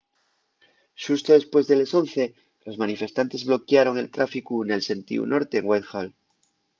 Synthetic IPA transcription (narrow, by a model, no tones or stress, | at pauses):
ʃust̪oðe̞spwe̞zðeleso̞nθe̞ | lo̞zmanife̞st̪ant̪e̞zβlo̞kjaɾo̞ŋe̞lt̪ɾafikune̞lse̞nt̪ḭṵnʔo̞ɾt̪e̞ːŋwajt̪xal